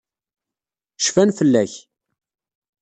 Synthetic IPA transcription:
ʃfænfəlːæç

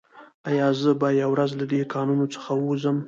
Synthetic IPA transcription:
ajɑzəbajawɾazlad̪ekɑnunot͡sə̥xawuzəm

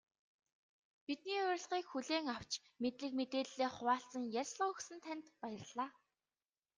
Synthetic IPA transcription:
pit̪̚niːʊɾ̆ʲɮʁiːkxuɮeːŋaw̥t͡ɕ | met̪ɮɘ̆k̚met̪eːɮeːχʊwaːɬt͡sə̆ŋjærʲsɮəːɵxsɘ̆nt̪ʰænʲt̪pajə̆rɮaː

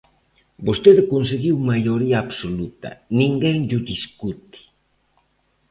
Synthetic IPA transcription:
bost̪eðekonseɣiwmajʎoɾiaːβsolut̪ɐ̰nĩŋɡeŋʎʊd̪iskut̪i̥

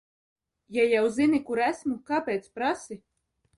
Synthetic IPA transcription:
jajawzinʲikuɾæsmukapʲɛjt̪spɾasi

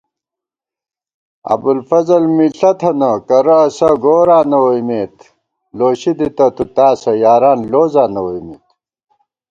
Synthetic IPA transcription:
ɐ̰bulfɐzɐlmiɬɐt̪ʰɐnɐkɐɾɐːsɐɡoːɾaːnɐwɐimeːt̪ | loːɕid̪it̪ɐt̪ut̪aːsɐjaːɾaːnloːzaːnɐwɐjmet̪

